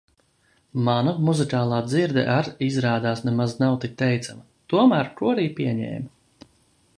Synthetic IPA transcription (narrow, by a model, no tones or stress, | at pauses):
manamuzikaːlˠaːd̪ziɾd̪ɛ̰ʔaɾizɾaːd̪aːsnɛmaznawt̪ik̚t̪ːɛjt̪sama | t̪uɔmæːɾkuɔɾiːpiɛɲɛ̰ːm